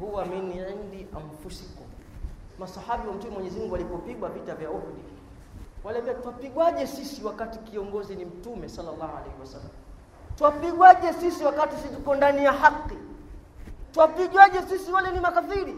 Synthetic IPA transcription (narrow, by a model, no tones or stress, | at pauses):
huwaminiɛndiam̩fusikɔ | masahaɓiwam̩tumɛmwɔɛɲɛzimuŋɡualipɔpiɡwavitavjauhɗi | walɛmbɛtuwapiɠwaʄɛsisiwakatikiɔŋɡɔzinim̩tumɛsalːalːahua̰lɛhiwasalːa̰m | tuwapiɡwaʄɛsisiwakatis̬itukɔndanijahakːi | tuwapiɠwaʄɛsisiwalɛnimakaθiɾi